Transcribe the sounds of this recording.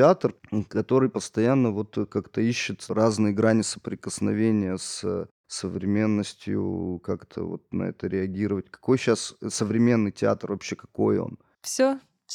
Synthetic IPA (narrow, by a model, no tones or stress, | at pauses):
tʲɪat̪rkɐt̪o̞ɾɨjpəst̪ɐjanːəvo̞t̪kakt̪əiɕːɪt̪raznɨjəɡɾanʲɪsə̥pɾʲɪkəsnɐvʲenʲɪjəsə | səvɾʲɪmʲe̞nːəsʲtʲjʊ̰kakt̪ʰə̰vo̞̰t̪̚nɐ̰ɛ̰t̪əɾʲɪɐɡʲiɾəvətʲkɐ̥ko̞jɕassəvɾʲɪmʲe̞nːɨjtʲɪa̰t̪rvɐpɕːekɐ̥ko̞jo̞̰n | fsʲo | f